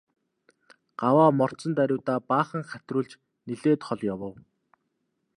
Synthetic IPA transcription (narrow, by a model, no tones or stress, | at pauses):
ɢ̥awaːmɔr̥sə̆nt̪æɾʲʊːt̪aːpaːχə̆ŋχæt̪ʲrʊːɮt͡ɕ | niɮeːt̪χɔɮjawə̆w